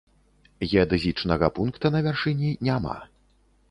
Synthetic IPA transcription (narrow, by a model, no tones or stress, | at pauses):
jʲɛd̪ɨzʲit͡ʂnɐɣɐpunkt̪ɐnɐvʲarʂɨnʲinʲama̰